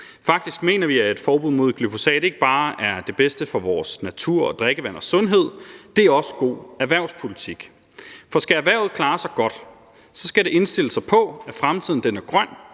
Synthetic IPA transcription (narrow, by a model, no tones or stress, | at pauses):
fɑ̈ɡ̥̚d̥isɡ̥me̝̰ːnɐʋiæe̝d̥fɒːb̥uð̰ˠmo̝ð̞̰ˠɡ̥lyfo̝sɛ̰ːd̥e̝ɡ̥əb̥ɑ̈ːæɐd̥e̝b̥esd̥əfɒ̽ʋɒːsnæt͡sʰuɐ̰ɒ̽d̥ʁeɡ̥əʋæn̰ɒ̽sɔ̽nɦe̝ð̞̰ˠd̥e̝æɐɒ̽sə̥ɡ̥o̝̰ːæɐʋæɐ̰ʊspʰo̝lit͡sʰiɡ̥ | fɒ̽sɡ̥ææʋæɐ̰ʊð̩ˠkʰlɑ̈ːsɑ̈ɪɡ̥ɒ̽d̥ | sɒ̽sɡ̥æɾe̝ʔe̝nsd̥e̝ləsɑ̈ɪpʰɒ̽æfʁamt͡sʰið̞̰ˠn̩d̥enæɐɡ̥ʁɶn̰